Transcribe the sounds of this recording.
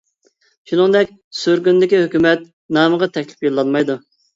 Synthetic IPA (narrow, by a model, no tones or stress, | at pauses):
ʃunɨŋd̪ɛkʲ | søɾɡʲynd̪ɪkʲihøkʲymɛt̪ | nɑːməʁɑt̪ʰɛkʲlɪ̥pjolˠːɑnmɑjd̪u